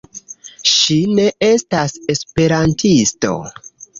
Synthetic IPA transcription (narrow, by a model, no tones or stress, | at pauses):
ʃine̞e̞stase̞spe̞ɾantʰisto̞̰